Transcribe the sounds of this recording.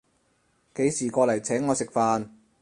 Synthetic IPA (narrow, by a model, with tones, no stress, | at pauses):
ke˨˧˥jsiː˨˩kɔː˧lɐ˨˩jt͡sʰɛː˨˥ŋːɔː˨˧sɪ˨k̚faː˧n